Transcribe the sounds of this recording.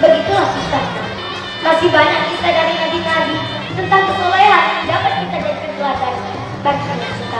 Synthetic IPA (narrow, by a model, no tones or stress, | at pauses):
bəɡit̪ulahsust̪ahna | masɪhbaɲat̪̚kit̪adaɾinabinabi | t̪ənt̪aŋpət̪olajadapat̪̚kit̪ad͡ʒadikərkulardana | baɡikanasit̪a